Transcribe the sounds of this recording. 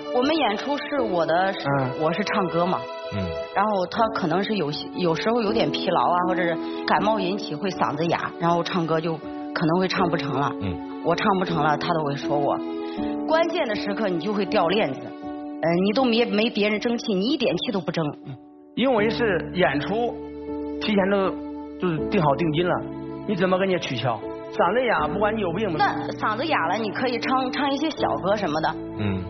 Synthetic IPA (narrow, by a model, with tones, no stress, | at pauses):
wɔ˨˩mə˦njɛ˨˩nʈ͡ʂʰu˥ʂɻ̩˥˩wɔ˨˩d̪ə˦ʂwɔ˨˩ʂɻ̩˥˧ʈ͡ʂʰɑ˥˩ŋkɤ˥mɐ̰˨˥˩ | ɻa˧˥nxo˥˩ʊt̪ʰa˥kʰɤ˨˩nɤ˧˥ŋʂɻ̩˥˩jo˨˩ʊɕjo˨˩ʊʂɻ̩˧˥xo˥˧ʊjo˧˥ʊt̪jɛ˨˩npʰi˧˥lɑ̰˧˥ʊa˧xwɔ˥˩ʈ͡ʂɤ˨˩ʂ | ka˨˩ɪmɑ˥˩ʊji˧˥nt͡ɕʰi˨˩xwe˥˩ɪsɑ̰˨˩ŋd͡zə˥ja̰˨˧˥ɻa˧˥nxo˥˧ʊʈ͡ʂʰɑ˥˩ŋkɤ˥t͡ɕjo˥˩ʊ | kʰɤ˨˩nɤ˧˥ŋxwe˥˧ɪʈ͡ʂʰɑ˥˧ŋpu˥˩ʈ͡ʂʰɤ˧˥ŋlə̰˧ | wɔ˨˩ʈ͡ʂʰɑ˥˧ŋpu˥˩ʈ͡ʂʰɤ˧˥ŋlə˧t̪ʰa˥t̪o˥ʊxwe˥˩ɪʂwɔ˥wɔ̰˨˩˦kwa˥nt͡ɕjɛ˥˩nd̪ə˩ʂɻ̩˧˥kʰɤ˥˩ni˨˩t͡ɕjo˥˧ʊxwe˥˧ɪt̪jɑ˥˧ʊljɛ˥˩nd͡zɹ̩˨˩ə˥˩ni˨˩t̪̬o˥ʊme˧˥me˧˥ɪpjɛ˧˥ɻə˧˥nʈ͡ʂɤ˥ŋt͡ɕʰi˥˩ni˧˥i˥˩t̪jɛ˨˩nt͡ɕʰi˥t̪o˥ʊpu˥˩ʈ͡ʂɤ˥ŋ˧ | i˥nwe˧˥ɪʂɻ̩˥˩jɛ˨˩nʈ͡ʂʰu˥ | t̪ʰi˧˥t͡ɕʰjɛ˧˥nt̪o˥ʊt͡ɕjo˥˧ʂ̩˥˧t̪i˥˩ŋxɑ˨˩ʊt̪̬i˥˩˧ŋt͡ɕi˥nlə̰˨ni˧˥t͡sə˨˩nmə˧ke˧˥nt͡ɕi˧˥t͡ɕʰy˨˩ɕʰjɑ˥˩ʊ | sɑ˨˩ŋd͡zə˥ja˨˩˦pu˥˩kwa˧˥ni˧˥jo˨˩ʊpːi˥˩ŋmə˧a˥˩sɑ˨˩ŋd͡zə˥ja˨˩lə˦ni˨˩kʰɤ˧˥i˨˩ʈ͡ʂʰɑ˥ŋʈ͡ʂʰɑ˥ŋi˥˩ɕjɛ˥ɕjɑ̰˨˩ʊkɤ˥ʂə˧˥mə˧d̪ə˨˥